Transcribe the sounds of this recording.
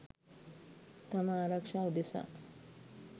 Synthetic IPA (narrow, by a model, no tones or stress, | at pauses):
t̪amaːɾakʂaːud̪esa̰